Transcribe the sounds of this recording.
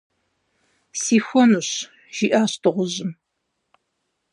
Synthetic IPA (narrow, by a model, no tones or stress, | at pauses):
siːxʷɔnuɕ | ʒ̥iːʔaːɕtʰɨʁʷʊʑɪm